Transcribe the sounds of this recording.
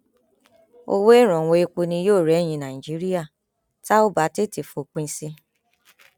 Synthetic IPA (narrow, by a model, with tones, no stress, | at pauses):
o̰˧wo˦i˦˨ɾ̃ɔ̃˨w̃o˧e˧k͡pu˧nĩ˧˦joː˦˨ɾɛ˨˦˨j̃ĩ˧nã˨i˨d͡ʒi˨˦ɾi˦ja˦˨ | ta˦o˦ba˨˦te˦˨ti˨fo˨k͡pĩ˧sĩ˧